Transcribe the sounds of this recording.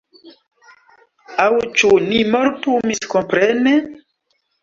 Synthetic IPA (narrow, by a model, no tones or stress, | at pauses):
awt͡ʃunimoɾtumiskompɾene